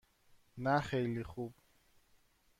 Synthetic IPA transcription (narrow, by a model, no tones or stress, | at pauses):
naχɛjliχup